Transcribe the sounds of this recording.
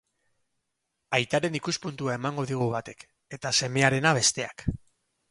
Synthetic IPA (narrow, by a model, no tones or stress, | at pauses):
ajt̪aɾe̞nikuspunt̪uae̞maŋɡo̞ðiɣ̞uβ̞at̪e̞k | e̞t̪ase̞me̞aɾe̞naβ̞e̞st̪e̞a̰k